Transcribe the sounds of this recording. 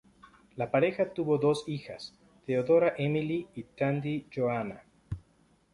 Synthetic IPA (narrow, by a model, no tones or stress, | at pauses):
lapaɾe̞xat̪uβo̞ðo̞sixa̰s | t̪eoðo̞ɾaʔemiliːt̪and̪iʝoana